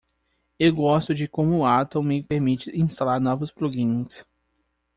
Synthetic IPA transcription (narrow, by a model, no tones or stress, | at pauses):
ewɡɔst̪ʊd͡ʒɪkõmʊat̪õwmɪpeɾmit͡ʃɪĩst̪alaɾnɔvʊspluɡĩɲs